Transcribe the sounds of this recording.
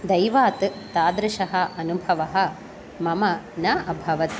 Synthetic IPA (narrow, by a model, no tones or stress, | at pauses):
d̪ɐjʋaːt̪t̪aːd̪ɾɐʃɐɦɐ̆ɐnubʱɐʋɐɦɐ̆ | mɐmɐnɐʔɐbʱɐʋɐt̪